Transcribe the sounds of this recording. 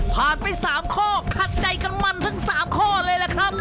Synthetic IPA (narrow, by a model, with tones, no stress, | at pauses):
pʰaː˨˩npa˧jsaː˩˦mkʰɔː˥˩kʰa˨˩t̪̚t͡ɕa˧jka˧nma˧nt̪ʰɯ˩˦ŋsaː˩˦mkʰɔː˥˩lɤː˧jla˨˦˩kʰɾa˦˥p̚